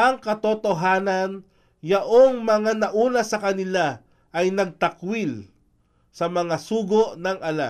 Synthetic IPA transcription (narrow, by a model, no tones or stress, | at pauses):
ʔɐŋkɐt̪ot̪o̞ɦaːnɐn | jɐʔoŋmɐŋanɐʔuːnɐsɐkɐnɪla | ʔɐjnɐɡ̚t̪ɐkwil | sɐmɐŋasuːɡoʔnɐŋɐla